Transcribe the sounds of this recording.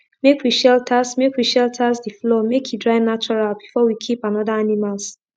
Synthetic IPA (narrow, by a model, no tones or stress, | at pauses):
mekwiʃɛltʰasmekwiʃɛltʰasdiflɔmekʰjidɹaɪnat͡ʃɔɹalbifɔwikʰipãnɔdaanimals